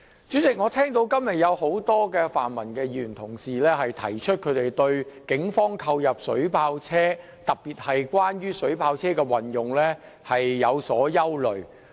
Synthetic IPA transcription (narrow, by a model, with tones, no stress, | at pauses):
t͡ʃyː˨˥t͡sɪ˨k̚ŋɔː˨˧t̪ʰɛː˥ŋt̪o˧wkɐ˥mjɐ˨t̚jɐ˨˧who˨˥wt̪ɔː˥kɛː˧fa̰ː˨nmɐ˨˩nkɛː˧jyː˨y˨˩nt̪ʰʊ˨˩ŋsiː˨lɛː˥hɐ˨jt̪ʰɐ̰˨˩jt͡ʃʰɵ˥t̚kʰɵ˨˧t̪e˨jt̪ɵ˧ɥkɪ˨˥ŋfɔː˥ŋkʰɐ˧wjɐ˨p̚sɵ˨˥ɥpʰaː˧wt͡sʰɛː˥ | t̪ɐ˨k̚piː˨˩t̚hɐ˨jkwaː˥nɥyː˥sɵ˨˥ɥpʰaː˧wt͡sʰɛː˥kɛː˧wɐ˨˩njʊ˨ŋlɛː˥ | hɐ˨jːɐ˨˧wsɔː˨˥jɐ˥wlɵ˨ɥ